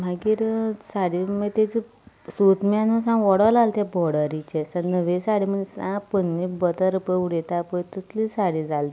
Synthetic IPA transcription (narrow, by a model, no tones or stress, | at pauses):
m̤aɡiːɾsaɽimət̪et͡si | sot̪mãnə̃sãʋɔɽəlalt̪jɛ̃bɔɽəɾit͡ɕesanəʋesaɽim̤ənesãpənːibət̪əɾpəuɽet̪apəjt̪əslisaɽid͡zalt̪i